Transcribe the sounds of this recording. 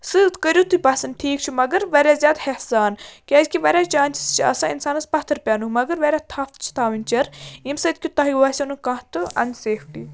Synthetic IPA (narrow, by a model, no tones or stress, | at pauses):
sɨt̪kəɾʲjut̪upɐsɐnʈʰiːkt͡ʃʰumɐɡəɾʋɐɾʲjaːzʲaːd̪hehsaːnkʲaːzʲkʲiʋɐɾʲjaːt͡ʃaːnʲt͡ʃʰi̥st͡ʃʰiɐ̰sainsaːnɐspɐt̪ʰɨɾpʲaːnumɐɡəɾʋɐɾʲaːt̪ʰɐft͡ʃʰi̥t̪ʰaːʋinʲt͡ʃɐɾimsɐt̪̚ʰʲkʲut̪ɐɦiʋaːsʲinukɐ̃ɦt̪ɨɐ̰nʲseːfʈi